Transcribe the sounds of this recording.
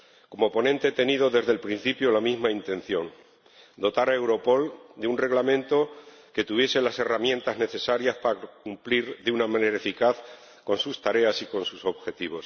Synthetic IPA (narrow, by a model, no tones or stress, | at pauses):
ko̞mo̞po̞nẽ̞nt̪et̪e̞nið̞o̞ðe̞zðe̞lpɾin̟θipjolamizmaint̪ẽ̞n̟θjo̞ŋ | d̪o̞t̪aɾae̞wɾo̞po̞ld̪eunre̞ɣlamẽnt̪o̞ | ke̞t̪uβje̞se̞lase̞ramjẽ̞nt̪azne̞θe̞saɾjaspaɾakumpliɾðeunamane̞ɾae̞fikaθ | ko̞nsust̪aɾe̞asiko̞nsuso̞βxe̞t̪iβ̞o̞s